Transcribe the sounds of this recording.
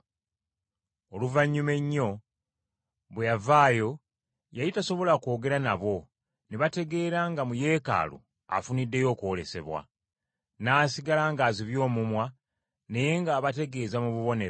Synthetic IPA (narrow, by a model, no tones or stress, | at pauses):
oluvaɲːume̞ɲːo̞ | βwejavaːjo̞ | jajitaso̞βo̞lako̞ːɡe̞ɾanaβo̞ | neβate̞ɡe̞ːɾaŋɡamuje̞ːka̰ːlṵ | a̰funidːe̞jo̞ːkuole̞se̞̰βwa̰ | naːsiɡalaŋɡaːziβjo̞ːmumwa | ne̞je̞ŋɡaːβate̞ɡe̞ːzamuβuβo̞ne̞ɾ